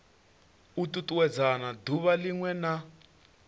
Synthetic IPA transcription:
ututʼuwɛd͡zanaduβaliŋwɛna

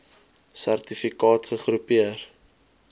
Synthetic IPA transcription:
særtifikɑːtχəχrupiər

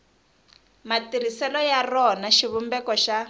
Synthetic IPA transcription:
matiɾisɛlɔjarɔnaʃiβumbɛkɔʃa

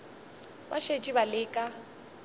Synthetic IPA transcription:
ba̰ʃet͡ʃʼibalɪːkʼa

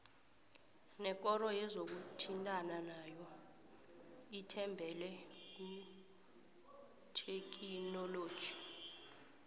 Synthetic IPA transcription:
nɛk̬ʼɔrɔjɛzok̬utʰintʼananajɔ | itʰɛmbʱɛlɛk̬u | tʰek̬ʰʼinɔloːd̥ʒ̥ʱi̥

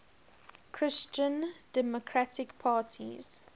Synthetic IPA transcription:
kʰɹ̥ɪst͡ʃə̃nd̥ɛmokʰɹatʰɪkpʰaːtʰḭz̥

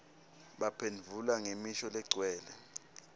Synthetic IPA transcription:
ɓapʰend͡vʱulaŋemiʃɔlɛɡ͡ǀʱwɛːlɛ

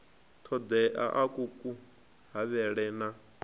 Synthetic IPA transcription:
t̪ʰɔd̪ɛʔa̰ʔakʼukʼu | ɦaβɛɺɛna

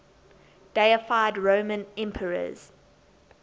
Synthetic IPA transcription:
d̥eɪəfaɪdɹõʊmə̃nɛ̃mpʰəɹə̰z̥

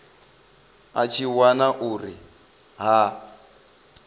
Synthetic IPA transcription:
at͡ʃʰiwanaʔuri | ɦa

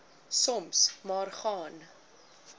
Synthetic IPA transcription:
sɔmsmɑːrχɑːn

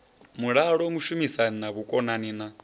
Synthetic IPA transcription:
muɺaɺɔmuʃumisaninaβukʼɔnanina

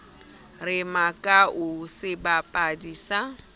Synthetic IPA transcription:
rɪmakʼaʔʊsɪbapʼadiːsa

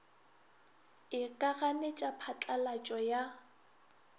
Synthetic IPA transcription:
ɪkʼaɣanet͡ʃʼapʰat͡ɬʼalat͡ʃʼɔja

